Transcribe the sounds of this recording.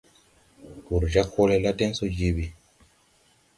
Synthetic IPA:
ɡu˨ɾd͡ʒa˦kʰo˦lɛ˦la˦dɛ˦nsɔ˦d͡ʒi˦bi˨

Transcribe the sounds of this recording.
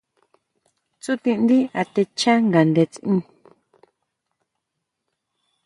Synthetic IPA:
t͡su˦t̪ĩ˧ʔnd̪i˦a˧t̪e˧t͡ʃã˦ŋɡa˨nd̪e˧t͡sĩ˦˧

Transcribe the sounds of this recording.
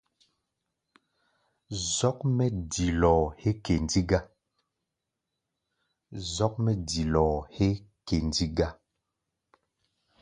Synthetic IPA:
zɔ˦k̚mɛ˦di˨lɔː˨he˦ke˨ndi˦ɡa˦ | zɔ˦k̚mɛ˦di˨lɔ˨he˦ | ke˨ndi˦ɡa˦

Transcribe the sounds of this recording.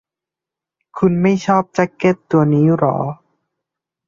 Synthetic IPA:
kʰu˧nma˥˩jt͡ɕʰɔː˥˩p̚t͡ɕa˧˥kːe˧˥˩t̪ːu˧ɐniː˦˥ɾɔ̰ː˩˦

